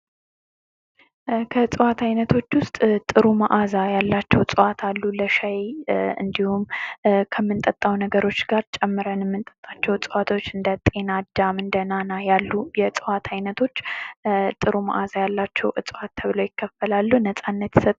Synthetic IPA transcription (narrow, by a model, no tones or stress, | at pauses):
kʰət͡sʼɨwat̪ʰajnət̪ʰo̞t͡ʃːwʊst̪ʼt̪ʼɨɾuma̰ʔazajalːat͡ʃːɛwt͡sʼɨwat̪ʰalːuləʃajɨ̰nd̪ihumkʰəmːɨnt̪ʼət̪ʼːawnəɡəɾo̞t͡ʃːɡaɾt͡ʃʼɛmːɨɾənjɛmːɨnt̪ʼət̪ʼːat͡ʃːɛwt͡sʼɨwat̪ʰo̞t͡ʃːɨnd̪ət̪ʼe̞nad̪amɨnd̪ənanajalːujɛt͡sʼɨwat̪ʰajnət̪ʰo̞t͡ʃː | t̪ʼɨɾuma̰ʔazajalːat͡ʃːɛwʔɨt͡sʼɨwat̪ʰːəβɨləwjɪkʰːəfəlalːunəsʼanːət̪jsət̪ʼ